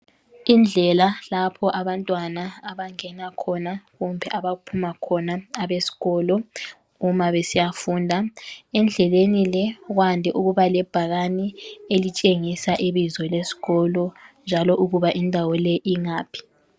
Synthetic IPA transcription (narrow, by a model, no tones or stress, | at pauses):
ind͡ɮʱɛlalapʰɔʔaβantʼwanaaβaŋɛnakʰɔnaɣɔmbʱɛʔaβaupʰumakʰɔnaaβesi̥ɣɔlɔ | umaβesijafuːndʱaɛnd͡ɮʱɛlenilɛɣwandʱɛʔuɣuβalɛb̥ʱaɣanielit͡ʃʼeŋisaʔiβizɔlesi̥ɣɔlɔnd͡ʒʱalɔʔuɣuβaʔindʱawɔlɛʔiŋaːpʰi̥